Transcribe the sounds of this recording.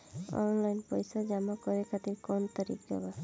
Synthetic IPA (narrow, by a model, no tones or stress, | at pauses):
ɔ̰nlajnpɔjsad͡ʒamakɔɾekʰat̪iɾkɔnɔt̪aɾḭkd͡ʒɔ̰ba